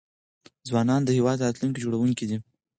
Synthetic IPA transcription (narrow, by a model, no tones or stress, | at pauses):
zwɑnɑnd̪əhewɑd̪at̪lunk̬id͡ʒoɽawuŋkid̪i